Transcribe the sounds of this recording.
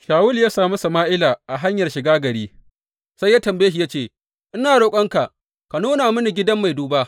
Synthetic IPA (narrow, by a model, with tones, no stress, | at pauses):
ʃaː˨wʊ˦ljaː˦saː˨mu˦sɐ˨maː˦ʔɪ˦laː˨ʔa˨ɦa˦ɲjɐ˨rʃɪ˨ɡaː˦ɡɐ˨ɽiː˦ | sa˦jːa˦tɐ˨mbeː˦hi˨ja˦t͡ʃeː˦˨ | ʔɪ˦naː˨ɽoː˨kʷʼɐ˦ŋka˨ʔ | ka˨nuː˦naː˨mʊ˦ni˨ɡʲɪ˦dɐ˦mːa˨jduː˦baː˦ʔ